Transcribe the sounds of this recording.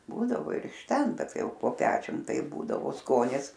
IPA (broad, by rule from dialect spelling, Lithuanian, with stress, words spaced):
ˈbuːdɐʋoː ɪr ɪʃ ˈtʲɛn ˈbʲɛt ˈtɐɪ ˈjɛʊ poː ˈpʲæːt͡ʃʲʊm ˈtɐɪp ˈbuːdɐʋoː ˈskoːnʲɪs